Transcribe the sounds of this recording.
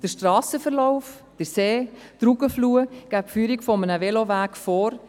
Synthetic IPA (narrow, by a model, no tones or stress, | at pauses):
d̥əɾʃtrɑːsəfəɾlɔʊf | d̥əseːd̥ɾuɡəfluːəɡ̥æpfyːɾikfɔmənəvelovæːkfoːɾ